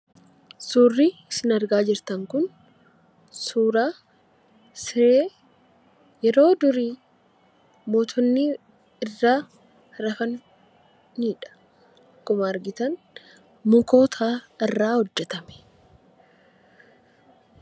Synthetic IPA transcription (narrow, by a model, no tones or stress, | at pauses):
suːrːiːɪsɪnɐɾɡaːd͡ʒɪɾt̪ɐŋkʊn | suːɾaː | seeː | jɛɾo̞ːd̪ʊɾiː | mo̞ːt̪ʰɔnːiː | ɪrːaː | ɾɐfɐnː | iːᶑɐ̥ | kʊmaːɾɡɪt̪ɐn | mʊko̞ːt̪ʰaːrːaːhɔd͡ʒːɛt̪ɐmɛ̥